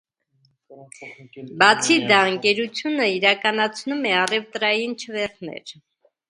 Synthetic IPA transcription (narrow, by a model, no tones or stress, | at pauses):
bɑt͡sʰid̪ɑəŋkɛɾut͡sʰjunəiɾɑkɑnɑt͡sʰnumɛɑrɛvt̪ɾɑjint͡ʃʰəvɛɾt̪ʰnɛ̰ɾ